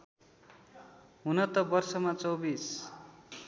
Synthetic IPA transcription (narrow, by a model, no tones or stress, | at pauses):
ɦunʌt̪ʌbʌrsʌmat͡sʌwbis